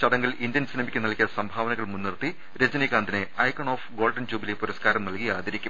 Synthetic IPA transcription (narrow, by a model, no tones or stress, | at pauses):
t͡ɕɐðɐŋɡɐlʔind̪jɐnsinɐmɐkʲːɨnɐɭkʲijɐsɐmbʱaːʋɐnɐɣɐɭmunːirt̪i | ɾed͡ʑɐnikːaːnd̪ineɐjkɐɳoːfɡo̞ːlɖɐnd͡ʑuːbilepuɾɐskaːɾɐmnɐlkijaːd̪ɐɾikʲːum